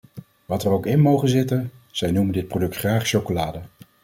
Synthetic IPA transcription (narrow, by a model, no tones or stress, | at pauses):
ʋɑtərowkɪnmowχənzɪtənz̥ɛjnuməndɪt̚prodɵktχraːχʃowkolaːdə